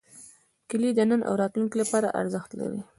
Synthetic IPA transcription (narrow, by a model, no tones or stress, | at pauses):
kɪlid̪ənənʔa̰wɾɑt̪lunkilapɑɾaʔa̰ɾzəxt̪la̰ɾi